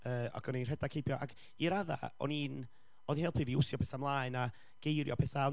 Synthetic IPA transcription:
əːa̰ɡɔninr̥ɛdakʰejbjɔʔa̰ɡ | iɾaða̰ɔ̰nin | oːðinejlpʰɨːviʊsjɔpɛθamlˠaːɨna | ɡ̥ejɾjɔpʰɛθa

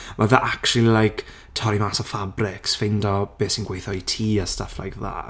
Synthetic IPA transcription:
mʔaðaʔakʃulilˠajkʰ | tʰɔɾimasɔfabrɪksfɪndɔb̥eːsinɡwejθɔitʰiːəsta̰fla̰jkʰða̰ː

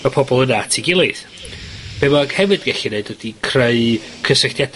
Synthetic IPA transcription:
əpʰɔbɔlˠənatʰiɡɪlˠɪð | b̥emaɡ̥hɛvɨd̥ɡɛɬineɨdwədikʰreɨ | kʰəsəɬd̥jad

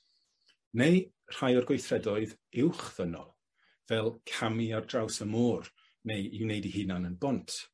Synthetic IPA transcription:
nej | r̥ajɔrɡwejθrɛdɔɨðɪwχð̥ənɔ̰lˠ | vɛlˠkʰamiardrawsəmɔːr | nejiwnejdihɨnanənbɔntʰ

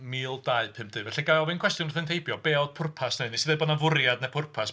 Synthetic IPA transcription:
miːlˠdaɨpʰɨmpd̥̪ɨvɛɬiɡajɔvɨnkʰwɛstjʊnrθɨntʰejbjɔbeɔd̥̚pʰʊrpʰasneɨnisɨðɛbɔnavʊɾjadnɛpʰʊrpʰas

